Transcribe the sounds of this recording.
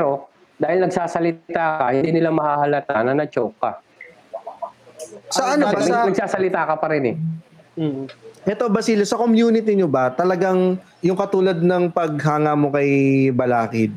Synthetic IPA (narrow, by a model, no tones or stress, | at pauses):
ɛɾo | d̪aːhɪlnɐɡsaːsɐlɪt̪aːkɐhɪnd̪iːnɪlamɐhaːhɐlɐt̪anɐnɐt͡ʃokːɐ̰ | ʔsɐʔɐnobasɐnɐɡ̚saːsɐlɪt̪aːkɐpɐɾɛnɛ | ʔɛt̪obɐsiːlosɐkomjuːnɪt̪̬ɪɲobɐt̪ɐlɐɡaŋ | jʊŋkɐt̪uːlɐd̪̚nɐŋpɐɡ̚ɦaːŋamo̞kɐjbɐlaːkɪd̪̚